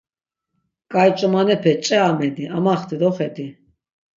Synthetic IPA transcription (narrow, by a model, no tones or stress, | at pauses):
kʼajt͡ʃʼɔmanɛpʰɛt͡ʃʼɛamɛd̪iʔamaχt̪ʰid̪ɔχɛd̪i